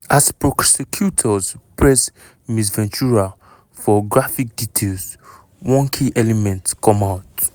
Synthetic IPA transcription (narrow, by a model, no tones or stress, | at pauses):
aspɹɔksɛkʰjutʰɔspɹɛs | misvɛ̃nt͡ʃuɹa | fɔɡɹafik̚ditʰels | wɔ̃nkʰĩʔɛlɛmɛ̃ntskɔ̃mawt